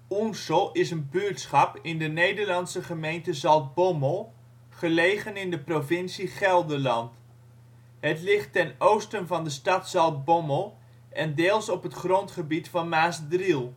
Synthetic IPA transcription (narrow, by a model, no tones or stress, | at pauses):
unsəlˠɪsənbyɹtsχɑpɪndənejdəɹlɑnsəχəmejntəzɑlˠt̚boməlˠ | χəlejχənɪndəprovɪnsiχɛlˠdəlɑnt | ɦətlɪχtːɛnowstənvɑndəstɑtsɑlˠt̚bɔməlˠ | ʔɛndeːlˠsɔpɦətχrɔntχəbitfɑnmaːsdrilˠ